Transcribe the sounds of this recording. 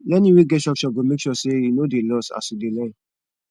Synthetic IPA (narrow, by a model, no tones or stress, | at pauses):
lɛniwiɡɛtʃɔkʃɔɡomekʃɔseinodelɔsa̰sudelãn